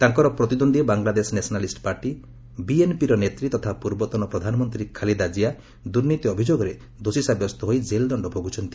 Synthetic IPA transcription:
t̪aŋkɔɾɔpɾɔt̪id̪ond̪ibaŋlad̪esnesɔnalisʈpaɾʈi | bienpiɾɔnet̪ɾit̪ɔt̪ʰapuɾbɔt̪ɔnɔpɾɔd̪ʱanɔmɔnt̪ɾikʰalid̪ad͡ʒija | d̪uɾnit̪iɔbʱid͡ʒoɡɔɾe | d̪osisabjɔst̪ɔɦojd͡ʒeld̪ɔɳɖɔbʱoɡut͡ʃʰɔnt̪i̥

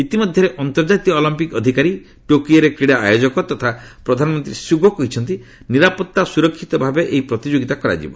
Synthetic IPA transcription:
it̪imɔd̪ʱjɔɾeʔɔnt̪ɔɾd͡ʒat̪ijɔːlimpikɔd̪ʱikaɾi | ʈokijɔɾekɾiɽaa̰jod͡ʒɔkɔt̪ɔt̪ʰapɾɔd̪ʱanɔmɔnt̪ɾisubʱɔkɔɦit͡ʃʰɔnt̪i | niɾapɔt̪ːasuɾɔkʰːit̪ɔbʱabeʔeɦipɾɔt̪id͡ʒoɡit̪akɔɾa̰d͡ʒḭbɔ

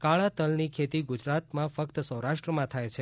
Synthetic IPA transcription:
kaɭat̪əlnikʰet̪iɡud͡ʒɾat̪mãfəkt̪sə̃wɾaʃʈɾəmãt̪ʰajt͡ʃʰe

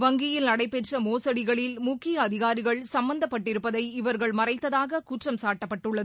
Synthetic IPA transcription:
ʋɐŋɡɪjɪlnɐɽɐɪpːɛʈrɐmoːsɐɽɪɣɐɭɪlmʊkːɪjɐːðɪɣaːɾɪɣɐɭsɐmbɐnd̪ɐpːɐʈːɪɾɯpːɐðɐɪɪʋɐɾɣɐɭmɐrɐɪt̪ːɐðaːɣɐkuːʈrɐmsaːʈːɐpːɐʈːɯɭːɐðɯ

